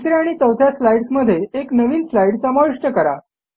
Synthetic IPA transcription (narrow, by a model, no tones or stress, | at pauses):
t̪ɾiaɽ̃iːt͡səwt̪ʰjaslajɽsməd̪ʱjeeknəʋiːnslaiɽsəmaʋiʂʈəkəɾa̰